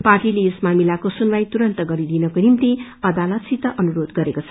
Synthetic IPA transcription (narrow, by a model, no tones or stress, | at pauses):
parʈileesmamilakosunbajt̪uɾʌnt̪ʌɡʌɾid̪inʌkonimt̪iʌd̪alʌt̪sit̪ʌʔʌnuɾod̪ɡʌɾekot͡sʰʌ̥